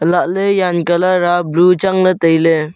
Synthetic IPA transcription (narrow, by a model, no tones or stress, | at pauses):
əlaʔləjankalaɾablut͡ʃaŋlət̪əjle